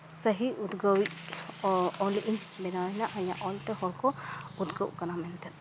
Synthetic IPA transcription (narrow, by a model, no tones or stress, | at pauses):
səɦiud̪ɡəwiʔ | ɔliʔiɲbɛnawanaʔɐja̰ʔɔlt̪ɛhɔɽkɔud̪ɡəwkanamɛnt̪ɛt̪̚